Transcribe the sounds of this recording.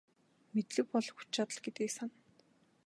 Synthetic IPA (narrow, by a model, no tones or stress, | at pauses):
met̪ɮɘ̆k̚pɔɮxu̥t͡ɕt͡ɕat̪ə̆ɮɡet̪iːksan